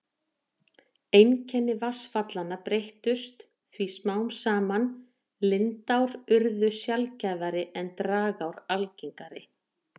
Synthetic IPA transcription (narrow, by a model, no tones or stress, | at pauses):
ejncʰɛnːɪvasfat̪lanːapɾejht̪ʏst̪ | θvismaːwnsaːman | lɪnt̪awɾʏɾðʏsjalcaːvaɾɪɛnt̪ɾaːɣawɾalciŋkaɾɪ̰